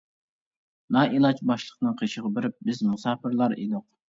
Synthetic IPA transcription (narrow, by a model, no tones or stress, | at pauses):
nɑːʔilˠɑt͡ʃbɑʃlˠəqnɨŋqʰeʃəʁɑbɪɾɪp̚bɪzmusɑːpɪɾlˠɑɾḛd̪ʊq̚